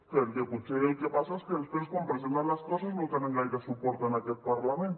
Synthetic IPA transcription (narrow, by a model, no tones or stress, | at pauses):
peɾkekut͡ʃeɾejkepasaspeɾspeɾskompɾes̬ent̪aɾlaskosasnowt̪eneŋɡajkesupoɾt̪anaket̪̚paɾlamen